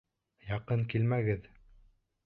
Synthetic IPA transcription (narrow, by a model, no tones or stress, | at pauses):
jɑqɤŋkilmæɡɘð